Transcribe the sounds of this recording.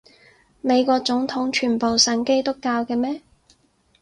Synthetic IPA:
me˨˧jkʷɔː˧k̚t͡sʊ˨˥ŋt̪ʰʊ˨˥ŋt͡ʃʰyː˨˩npo˨wsɐ˨nke˥jt̪ʊ˥kːaː˧wkɛː˧mɛː˥

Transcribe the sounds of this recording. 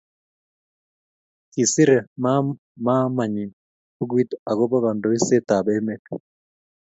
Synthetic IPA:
ti˨si˦ɾe˨ma˦ | ma˦ma˨ɲi˨n | ku˦ɡwi˦ta˨ɣo˦βa˦βa˨ndo˨i˦se˦ta˨βe˦me˦ka

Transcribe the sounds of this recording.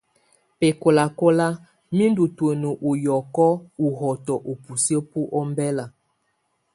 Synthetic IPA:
pe˨ko˨la˨ko˦la˦ | mi˦ndu˨two˨nu˨ʔu˨jɔ˨kɔ˦u˨ɦɔ˨tɔ˨ʔo˨pu˨so˦pu˦ʔɔ˦mbɛ˦la˨

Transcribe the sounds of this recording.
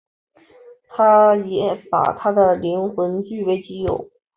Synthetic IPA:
t̪ʰa˥jɛ˧˥pa̰˨˩t̪ʰa˥d̪ə˨li˧˥nxwə˧˥nt͡ɕy˥˩pe˧˥ɪt͡ɕi˧˥jo˨˩˦ʊ

